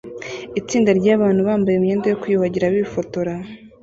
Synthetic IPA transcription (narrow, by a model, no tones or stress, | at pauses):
it͡siːndaɾɟaːβaːn̥uβaːmbajemɲeːndejo̞kujuβaɟiɾaβiβifo̞to̞ɾa